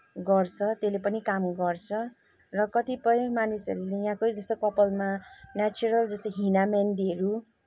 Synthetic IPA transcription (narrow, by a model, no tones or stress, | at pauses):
ɡʌrt͡sʰʌt̪elepʌnikamɡʌrt͡sʰʌ | rʌkʌt̪ipʌjmanisʌ̰ɾulejɦãkojd͡zʌst̪okʌpʌlmanat͡suɾʌld͡zʌst̪oɦinamand̪ieɾu